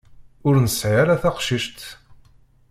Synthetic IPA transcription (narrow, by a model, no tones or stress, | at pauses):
ʊɾnəsʕaɾaθaqʃiʃt̪